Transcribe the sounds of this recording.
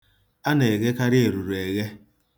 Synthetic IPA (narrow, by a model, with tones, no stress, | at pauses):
a˦ne˨e˨ɣe˦ka˦ɾɪ˦e˨ɾu˨ɾu˨e˨ɣe˦